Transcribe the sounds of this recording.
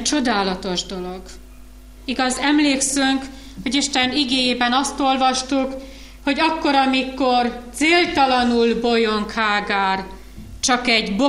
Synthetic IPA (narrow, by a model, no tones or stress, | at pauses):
t͡ʃo̞d̪aːlɒt̪o̞ʒd̪o̞lo̞ɡ | iɡɒzɛmleːksyŋk | ho̞ɟiʃt̪ɛniɡeːjeːbɛnɒst̪o̞lvɒʃt̪uk | ho̞ɟɒkːo̞ɾɒmiko̞rt̪seːlt̪ɒlɒnulbo̞jo̞ŋkhaːɡaːr | t͡ʃɒkɛɟbo